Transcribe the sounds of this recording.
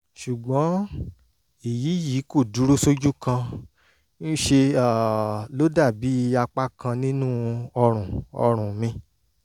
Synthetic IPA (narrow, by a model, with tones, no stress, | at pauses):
ʃu˨ɡ͡bɔ̃˨˦ | e˨ji˨˦ji˨˦ko˦˨du˨˦ɾo˦so˦d͡ʒu˦kã˧ | n̩˦ʃe˧a˦˨lo˦da˦˨bi˨˦i˧a˧k͡pa˦kʰã˧nĩ˦nũ˦ɔ˧ɾ̃ũ˨ɔ̰˧ɾ̃ũ˨mĩ˧